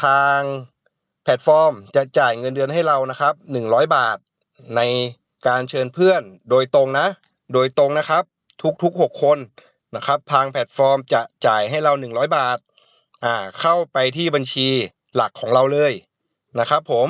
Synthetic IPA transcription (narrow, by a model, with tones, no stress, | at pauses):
t̪ʰaː˧ŋ | pʰɛ˨˩t̪̚fɔː˧mt͡ɕa˨˩t͡ɕaː˨˩jŋɤ˧ndɯ˧ənɦa˥˩jɾa˧wna˦˥kʰa˦˥p̚nɯ˨˩ŋɾɔː˦˥jbaː˨˩t̪̚ | na˧j | kaː˧nt͡ɕʰɤː˧npʰɯ˥˩əndoː˧jt̪o˧ŋna˦˥ | doː˧jt̪o˧ŋna˦˥kʰa˦˥p̚ | t̪ʰu˦˥k̚t̪ʰu˦˥k̚ho˨˩kʰːo˧n | na˦˥kʰɾa˦˥p̚t̪ʰaː˧ŋpʰɛ˨˩t̪̚fɔː˧mt͡ɕa˨˩t͡ɕaː˨˩jɦa˥˩jɾa˧wnɯ˨˩ŋɾɔː˦˥jbaː˨˩t̪̚ | ʔaː˨˧˩kʰa˥˩wpa˧jt̪ʰiː˥˩ba˧nt͡ɕʰiː˧ | la˨˩kʰːɔː˩˦ŋɾa˧wlɤː˧j | na˦˥kʰɾa˦˥pʰːo˩˦m